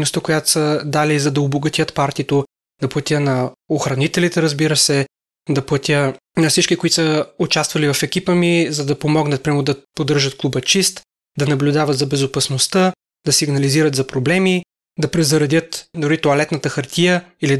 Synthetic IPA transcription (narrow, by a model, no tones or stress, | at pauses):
nost̪əkojat̪o̥səd̪alizɐd̪ɐoboɡɐt̪jət̪paɾt̪iət̪o | d̪ɐplˠɐt̪ʲənɐoxɾɐnit̪ɛlit̪ɛɾəzbiɾəsɛ | d̪ɐplˠɐt̪ʲə | nɐfsit͡ʃkikoit̪səʊt͡ʃast̪vɐlivɐfɛkʲipəmizɐd̪ɐpomɔɡnət̪pɾʲimɛmod̪ɐpod̪əɾʒət̪̚klˠubət͡ʃist̪ | d̪ɐnɐblʲʊd̪avɐt̪zɐbɛzopɐsnost̪ə | d̪ɐsiɡnɐliziɾət̪zɐpɾoblɛmi | d̪ɐpɾɛzɐɾɐd̪ʲət̪d̪ʊɾit̪oɐlɛt̪nət̪əxɐɾt̪ʰijəili